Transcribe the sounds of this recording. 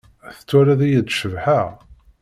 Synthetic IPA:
θə̥t͡sːʊɾæðæjəd̪ʃəvħa

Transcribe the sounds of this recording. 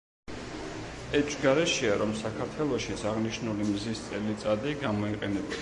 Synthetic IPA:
ɛt͡ʃʰʼɡaɾɛʃiaɾɔmsakʰaɾt̪ʰwɛlˠɔʃisaʁniʃnulimizist̪sʼɛlit̪sʼad̪iɡamɔiqʼɛnɛb

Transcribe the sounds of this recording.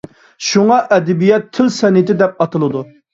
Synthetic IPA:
ʃuŋɑʔɛd̪ɛbijɛt̪ʰːɪlsɛnɪt̪ɪd̪ɛp̚ɑt̪ʰɨlˠɨd̪u

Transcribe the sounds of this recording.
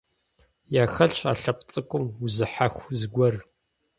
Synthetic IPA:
jaːxɐɬt͡ʃa̰ːɬɐpʰʼt͡sʼɨkʷʼʊmʊzɨħaxʷzɨɡʷɐr

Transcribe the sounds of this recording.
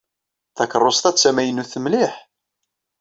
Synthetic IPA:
θækərˤːost̪æt͡sːæmæjənːuθəmlɪħ

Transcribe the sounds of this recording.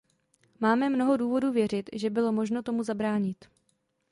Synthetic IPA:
maːmɛmno̞ɦo̞duːvo̞duːvjɛr̝ɪt̪ʒɛbɪlo̞mo̞ʒno̞t̪o̞muzabɾaːɲɪt̪

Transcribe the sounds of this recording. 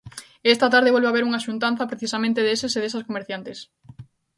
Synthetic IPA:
est̪at̪aɾðeɔlβeaβeɾuŋɐaʃunt̪anθɐpɾeθisamẽnt̪eðeseseðesɐskomeɾθjant̪es

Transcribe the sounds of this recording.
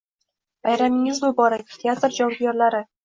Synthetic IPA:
b̥ajɾamɪŋɪzbʊbɒɾakʲt̪ʰeat̪ɾd͡ʒɒwbjɒɾlaɾɪ

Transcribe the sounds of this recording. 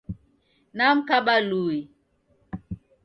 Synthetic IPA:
nam̩kaɓalui

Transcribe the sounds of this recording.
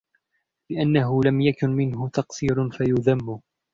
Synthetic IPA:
lɪʔanːaɦʊlamjakʊnmɪnɦʊt̪ɑqsˤiːɾʊnfajʊðamːʊ

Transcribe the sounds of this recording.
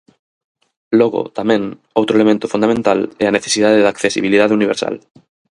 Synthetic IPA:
loɣo̰t̪amẽŋ | owt̪ɾoelemẽnt̪ofund̪amẽnt̪alɛaneθesiðaðeðakθesḭβ̞ilið̞aðeuniβ̞eɾsa̰l

